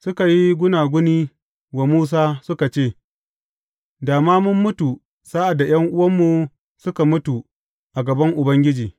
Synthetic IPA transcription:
sʊ˦ka˨ji˦ɡʷʊ˦naː˨ɡʷʊ˦niː˦ | wa˨muː˦s̬aː˦sʊ˦ka˨t͡ʃeː˦˨ | daː˨maː˦mʊ˦mːʊ˦tu˨ | saː˦ʔa˨da˨j̰ɐ˦ŋʔʊ˦wɐ˦mːu˨ | sʊ˦ka˨mʊ˦tu˨ | ʔa˨ɡɐ˨bɐ˦ŋʔʊ˨bɐ˦ŋɡʲɪ˦d͡ʒiː˨

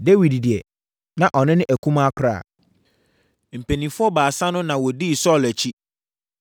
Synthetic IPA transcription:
de˦wi˨ddɪ˨ɛ˨ | nã˨ʔɔ˨nɪ̃˦nɪ̃˦ʔæ˨kʰũ˦ma˦kʰʊ˨ɾa̰ː˦˨ | m̩˨pʰe˨nĩ˨fʊ˦ɔ˦baː˨sã˦nʊ̃˦nã˨wɔ˨diː˦˨sɔ˦˨læ˨t͡ɕʰi˦

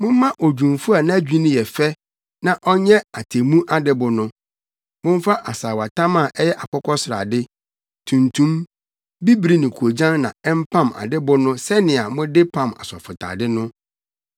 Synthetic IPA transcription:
mʊ̃˦m˦mã˦ʔɔ˨d͡ʑᶣũ˨mfu˦a˨nã˦æ˦d͡ʑᶣi˦nɪ̃˦jɛ˨fɛ˦ | nã˨ʔɔ˦ɲɛ̃˦a˨tʰe˨mũ˦ʔa˦dɪ˦bʊ˨nʊ̃˦ | mʊ̃˦m˦fa˦ʔa˨saː˨wa˨tʰã˦mã˨ʔɛ˦jɛ˦ʔa˨kʰɔ˦kʰɔ˦sɪ˨ɾa̰˨dɪ˦ | tʰũ˨ntʰũ˦m | bi˦bɾi˦nɪ̃˨kʰu˨o˨d͡ʑã˦nːã˨ɛ˦m˦pʰã˦˨ma̰˨dɪ˦bʊ˦nʊ̃˦sɛ˦nɪ̃˨a˨mʊ̃˦dɪ˦pʰã˦˨ma̰˨sɔ̰˨fʊ˨tʰa̰ː˨dɪ˦nʊ̃˦

